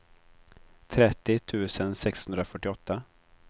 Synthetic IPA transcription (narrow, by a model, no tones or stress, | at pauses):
t̪ʰɾɛt̪ːɪt̪ʰʉ̟ːsənsɛkshɵnd̪ɾafœʈːɪɔt̪ːa